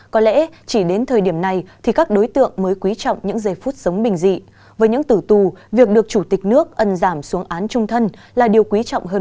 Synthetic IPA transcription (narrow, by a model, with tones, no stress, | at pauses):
kɔ˨˦lɛ̰˧˥t͡ɕi˧˩ɗe˨˦nt̪ʰəː˨˩jɗi˧˩əmna˨˩jt̪ʰi˨˩kaː˦˥k̚ɗo˨˦jt̪ɨ̰˧˨əŋməː˨˦jkwi˨˦t͡ɕɔ̰˧˨wŋ͡mɲɨ̰˧˥ŋzə˨˩jfuː˦˥t̚z̥ə˨˦wŋ͡mɓï˨˩ŋ̟zḭ˧˨ | vəː˨˦jɲɨ̰˧˥ŋt̪ɨ˧˩t̪u˨˩vi˨˩ək̚ɗɨ˨˩ək̚t͡ɕu˧˩t̪ï˨˩k̟̚nɨ˦˥ək̚ʔə˧˩nzaː˧˩msu˨˦əŋʔaː˨˦nt͡ɕʊ˧ŋ͡mt̪ʰə˧n | laː˨˩ɗi˨˩əwkwi˨˦t͡ɕɔ̰˧˨wŋ͡mɦəː˧